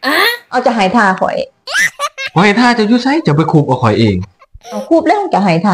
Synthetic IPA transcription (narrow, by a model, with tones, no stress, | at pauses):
ʔaː˧ʔa˧˩wt͡ɕa˨˩ɦaː˨˩˦jt̪ʰaː˧˩˧kʰɔ̰˨˦j | pʰɔː˨˧˩ha˧˩jt̪ʰaː˥˩t͡ɕa˨juː˧˥˩sa˧˦˥jt͡ɕa˨˩pa˧jkʰuː˧˩p̚ʔaː˧˩wkʰɔ˨˩jʔeː˧˩ŋ | ʔa˧˩kʰuː˧˩p̚lɛ˧˥˨t͡ɕa˨˩ɦaː˨˩˦jt̪ʰaː˧